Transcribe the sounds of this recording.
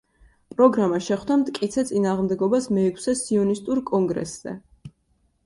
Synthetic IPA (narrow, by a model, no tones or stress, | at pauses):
pʼɾɔɡɾamaʃɛχd̪amt̪ʼkʼit̪sʰɛt̪sʼinaːʁmd̪ɛɡɔbasmɛːkʰsɛsiɔnist̪ʼuɾkʼɔŋɡɾɛ̰sz̥ɛ̰